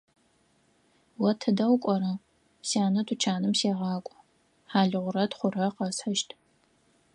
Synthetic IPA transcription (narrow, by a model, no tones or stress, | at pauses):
wɐtʰɐdɐwkʷʼɔɾɐ | saːnɐtʰut͡ʃʰaːnɨmseːʁɑːkʷʼ | ħaːɮɨʁʷʊɾɐtχʷʊɾɐqɐsħɐʃtʰʼ